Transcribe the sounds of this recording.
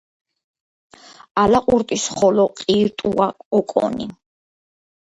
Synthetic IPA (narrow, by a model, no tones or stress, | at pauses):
alaqʼuɾt̪ʼisχɔlɔqʼiːɾt̪ʼuaɔkʼɔ̰nḭ